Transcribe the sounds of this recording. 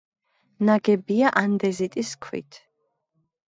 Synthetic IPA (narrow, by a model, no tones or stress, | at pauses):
naɡɛbiaʔand̪ɛzit̪ʼiskʰwḭt̪ʰ